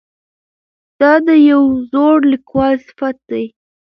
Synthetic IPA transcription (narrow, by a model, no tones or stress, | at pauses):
d̪̥ɑd̪əjawzoɽlikwɑlsɪ̥fat̪̚d̪aj